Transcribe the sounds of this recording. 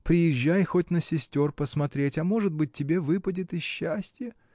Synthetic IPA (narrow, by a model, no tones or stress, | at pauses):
pɾʲɪjɪʑːæjxo̞t̚ʲnəsʲɪsʲtʲo̞rpəsmɐt̪ɾʲetʲɐmo̞ʐɨd̪̚bɨt̚ʲtʲːɪbʲe̞vɨpədʲɪt̪ɪsɕːæsʲtʲɪjə